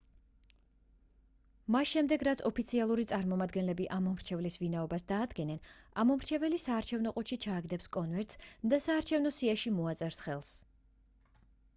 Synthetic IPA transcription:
masʃɛmd̪ɛɡɾat̪sʰɔpʰit̪sʰialˠuɾit̪sʼaɾmɔmad̪ɡɛnlɛbiʔamɔmɾt͡ʃʰɛvlisvinaɔbasd̪aːd̪ɡɛnɛnamɔmɾt͡ʃʰɛvɛlisaːɾt͡ʃʰɛvnɔqʼɔʃit͡ʃʰaːɡd̪ɛpskʼɔnvɛɾt̪sd̪asaːɾt͡ʃʰɛvnɔsiaʃimɔat̪sʼɛɾsχɛlˠs

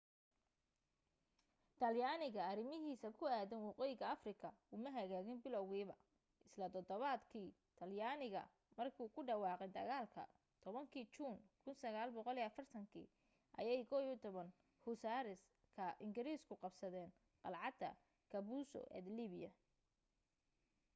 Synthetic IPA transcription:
t̪ʰɐljaːnɪɣɐɐɾɪmɪɦiːsɐkʰʊaːðɪnwɑqɛjɣɐɐfrɪkʰɐʊmɐɦɐɣaːɣɪnbɪlɔwɣiːβɐ | ʔɪslɐd̪ɔd̪ɔβaːd̪kʰiː | t̪ʰɐljaːnɪɣɐ̰ | mɐrkʰuːkʰʊɖɐwɑːqɛd̪ɐɣaːlkʰɐ̰ | t̪ʰɔβɐŋkʰiːt͡ʃuːnkʰʊnsɐɣaːlbɔqɔliːɐfɐrt̪ʰɐŋkʰḭː | ʔɐ̰jɛjkʰɔwɔt̪ʰɔβɐn | hʊsaːɾɪs | kʰɐʔɪŋɡɪɾiːskʰʊqɑbsɐðɛːn | qɑlʕɑd̪ɐ̰ | kʰɐβuːsɔ̰ʔɛ̰d̪liːβɪjɐ

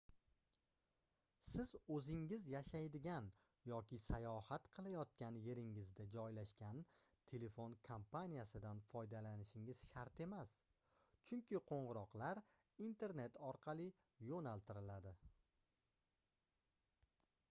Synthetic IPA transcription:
sɪzɵzɪŋːɪzjaʃajd̪ɪɡʲan | jɒkʲɪsajɒhat̪qʰɨlˠajɒt̪̚kʲanje̞ɾɪŋɪzd̪ad͡ʒɒjlaʃkʲant̪ʰe̞le̞fo̞nkʰompʰanʲijasɪd̪anfɒjd̪alanɪʃɪŋɪz̥ʃaɾt̪e̞mas | t͡ʃʰʊŋkʲɪqʰoɴʁɨɾɒqlˠaɾ | int̪ʰe̞ɾne̞t̪ʰɒɾqʰɑlˠɪ | jonalˠt̪ʰɪɾɪlad̪ɪ

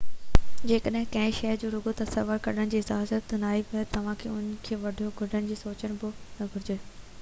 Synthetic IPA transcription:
d͡ʑeːkəɗɦɪ̃kɐ̃ɦɪ̃ʃɛːɾd͡ʑoːɾʊɡot̪ɐsɐʋəɾkɐɗəɽ̃ɪ̆d͡ʑiːɪzaːzət̪naːipɐt̪ɐʋ̤ãkʰeːʊn̆kʰeːʋɐɖʱoɡʱʊɖʱəɽɪ̆d͡ʑiːsoːt͡ɕəɽ̃bɪnɐɡʱʊɾɪd͡ʑeː

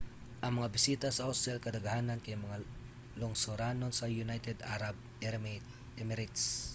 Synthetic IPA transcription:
ʔɐŋmɐŋabɪsit̪ɐsɐʔosɛlkɐd̪ɐɡɐhaːnɐnkɐjmɐŋa | loŋsoɾanonsɐjʊnajt̪ɛd̪aɾab̚ | ɛɾm | ɛmɛɾɪt̪s

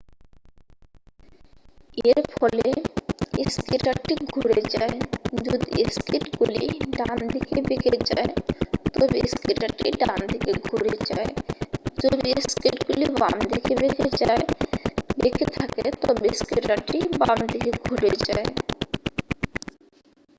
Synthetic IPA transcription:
eɾpʰɔle | eskiʈaʈʈiɡʱuɾed͡ʒaed͡ʒod̪ieskiʈɡuliɖand̪ikebeked͡ʑa̰et̪ɔbiskiʈaʈːḭɖand̪ʱikeɡʱuɾed͡ʑa̰ed͡ʒod̪ieskɾiʈɡuliba̰md̪ʱikebeked͡ʑaebeket̪ʰaket̪ɔbeskiʈaʈʈibamd̪ʱikeɡʱuɾed͡ʑae

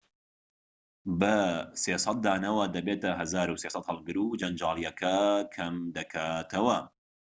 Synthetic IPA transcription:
bɐseːsˤɑt̪̚d̪aːnɐwɐd̪ɐbeːt̪ɐɦɐzaːɾuseːsɐt̪hɐlˠɡɨɾud͡ʒɐnd͡ʒaːlˠjɐkʰɐkʰɐmd̪ɐkʰaːt̪ʰɐwɐ

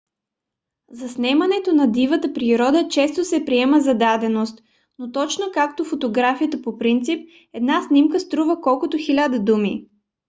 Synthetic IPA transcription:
zɐsnɛmɐnɛt̪onɐd̪ivət̪əpɾiɾɔd̪ət͡ʃɛst̪osɛpɾiɛməzɐd̪ad̪ɛnost̪ | not̪ɔt͡ʃnokak̚t̪ofot̪oɡɾafijət̪əpopɾint̪sip̚ | ɛd̪nasnʲimkəst̪ɾuvəkɔlˠkʊt̪oxilʲad̪əd̪umḭ

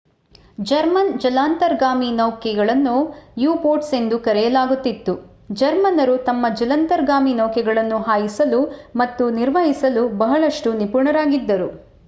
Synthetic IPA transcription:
d͡ʒɐɾmɐnd͡ʒɐlaːnt̪ɐɾɡaːminɐwkɛɡɐɭɐnːujuːpoːɾʈse̞nd̪ukɐɾɛjɐlaːɡut̪ːit̪ːu | d͡ʒɐɾmɐnɐɾut̪ɐmːɐd͡ʒɐlɐnt̪ɐɾɡaːminɐwkɛɡɐɭɐnːuɦaːjisɐlumɐt̪ːuniɾʋɐɦisɐlubɐɦɐɭɐʂʈunipuɾɳɐɾaːɡid̪ːɐɾu

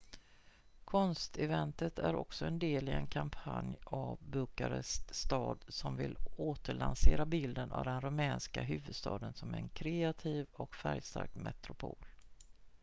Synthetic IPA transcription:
kʰɔnst̪ɛvɛnt̪ət̪æɾɔ̰ksɔɛnd̪eːlɪɛnkʰampʰanjavbɵkaɾəst̪ɑːd̪sɔmvɪloːt̪əɭanseːɾabɪld̪ənavd̪ɛnɾɵmɛːnskaɦʉ̟ːvɵd̪st̪ɑːd̪ənsɔmɛnkʰɾeat̪ʰiːvɔkfæɾjst̪a̰ɾkmɛt̪ɾʊpʰoːl

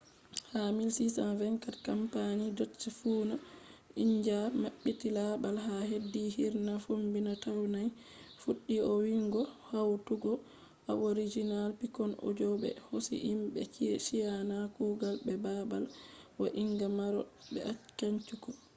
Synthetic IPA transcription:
hamilsisanvɛŋkatkampanidot͡ʃːifuːnaiɲd͡ʒamaɓːitilabalɦaɦedːihiɾnafumbinatawnaj | fuɗːiɔwiŋɡɔhawtuɡɔ | a̰ʔoɾid͡ʒinalpikɔno̰d͡ʒɔɓɛ̰hosḭʔimbɛ̰t͡ʃiʃijanakuːɡalɓɛbaba̰lwaʔiŋɡamaɾɔ̰bɛakaɲt͡ʃukɔ

